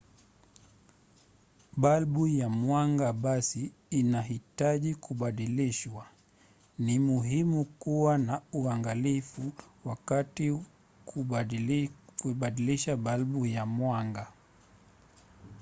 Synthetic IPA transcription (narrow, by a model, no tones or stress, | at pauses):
ɓalɓujamwaŋɡaɓasiːnaɦitaʄikuɓaɗiliʃwa | nimuɦimukuwanauaŋɡalifuwakati | ku | kuɓaɗiliʃaɓalɓujamwaŋɡa